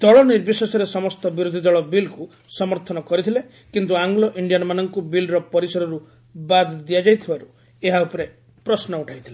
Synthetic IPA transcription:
t̪ɔɭɔniɾbjisɔsɔɾesɔmɔst̪ɔbiɾud̪ʱid̪ɔɭɔbilku | sɔmɔɾt̪ʰɔnɔkɔɾit̪ʰile | kint̪uaŋɡlɔʔiɳɖijanɔmanɔŋkubilɾɔpɔɾisɔɾɔɾu | bad̪d̪iad͡ʒajt̪ʰibaɾu | eɦaupɔɾe | pɾɔsnɔuʈʰajt̪ʰile

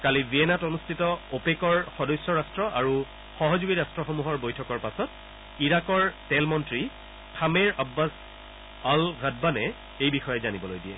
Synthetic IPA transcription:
kaliviɛnatonustʰitɔopekɔɹxɔdɔjsjɔɹastɹɔʔaɹu | xɔɦɔzuɡiɹastɹɔxomuɦɔɹbojtʰɔkɔɹpasɔt̚ | iɹakɔɹtɛlmɔntɹi | tʰameɹabːas | alɣadbanɛ | ejbixɔjɔzanibɔlojdijɛ̰

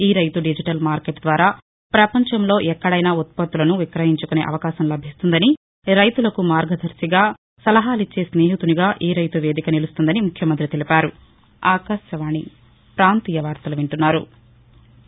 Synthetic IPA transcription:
iːɾɐjt̪uɖid͡ʒiʈɐlmaːɾkeʈd̪ʋaːɾaː | pɾɐpɐɲt͡ʃɐmlo̞ːʔɛkːɐɽɐjnaːut̪̚pɐt̪ːulɐnuʋikɾɐɦiɲt͡ʃukune̞̰ːʔɐ̰ʋɐkaːʃɐmlɐbʱist̪und̪ɐni | ɾɐjt̪ulɐkumaːɾɡɐd̪ʱɐɾsiɡaː | sɐlɐɦaːlit͡ʃːeːsneːɦit̪uniɡaːʔiːɾɐjt̪uʋe̞ːd̪ikɐnilust̪und̪ɐnimukʰjɐmɐnt̪ɾit̪elipaːɾu | aːkaːʃjɐʋaːɳi | pɾaːnt̪iːjɐʋaːɾt̪ɐluʋiɳʈunːaːɾṵ

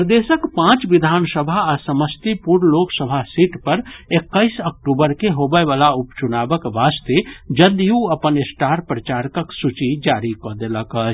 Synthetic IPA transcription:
pɾəd̪esəkpãt͡ʃʋid̪ʱaːnsəbʱaːsəməst̪ipuɾloksəbʱasiʈpəɾekːəɪsək̚ʈubəɾkeɦobəeʋalaupt͡ʃunabəkʋast̪ed͡ʒəd̪juəpənesʈaːɾpɾət͡ʃaɾkəksut͡ʃid͡ʒaɾikɔd̪eləkət͡ʃʰ

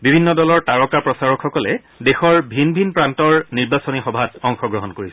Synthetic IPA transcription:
bibʱinːɔdɔlɔɹtaɹɔkapɹɔsaɹɔkxɔkɔlɛ | dexɔɹbʱinbʱinpɹantɔɹniɹbasɔnixɔbʱatɔŋxɔɡɹɔɦɔnkoɹisɛ

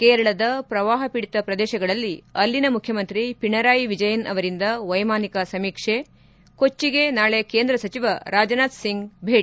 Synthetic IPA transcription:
keːɾɐɭɐd̪ɐpɾɐʋaːɦɐpiɽit̪ɐpɾɐd̪ɛːʃɐɡɐɭɐlːiɐlːinɐmukʰjɐmɐnt̪ɾipiɳɐɾaːjiʋid͡ʒɐjɐnɐ̰ʋɐɾind̪ɐʋɐjmaːnikɐsɐmiːkʂe | ko̞t͡ʃːiɡe̞naːɭekeːnd̪ɾɐsɐt͡ʃiʋɐɾaːd͡ʒɐnaːt̪siŋɡbʱeːʈi

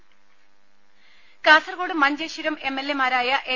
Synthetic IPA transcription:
kaːsɐrɣoːɽɨmɐɲd͡ʑeɕuɾɐme̞mːelːemaːɾaːjɐʔe

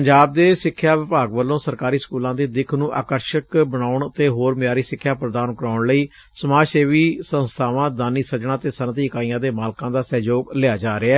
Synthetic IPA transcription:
pəɲd͡ʒaːb̚d̪eːsɪkʰːjaːʋɪpaːɡʋəlːõːsəɾkaːɾiːskuːlãːd̪iːd̪ɪkʰnũːʔa̰ːkəɾʃəkbənaːʊɳt̪eːɦoːɾmɪjaːɾiːsɪkʰːjaːpɾəd̪aːnkəɾaːʊɳləiː | səmaːʃeːʋiːsə̃nst̪ʰaːʋãːd̪aːniːsət͡ʃɳaːt̪eːsənt̪iːɪkaːijãːd̪eːmaːlkãːd̪aːsɛːd͡ʒoːɡlɪaːd͡ʒaːɾeaɛː

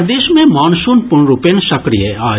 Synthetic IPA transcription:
d̪eːʃmẽmaːnsuːnpʊɳɾupenʃɐkɾijəaː

